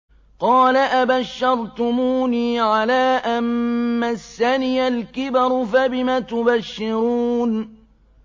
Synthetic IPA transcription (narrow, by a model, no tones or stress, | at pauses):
qɑːlaʔabaʃːɑɾˤt̪ʊmuːniːʕalaːʔanmasːanɪjalkɪbɑɾˤfabɪmat̪ʊbaʃːɪɾuːn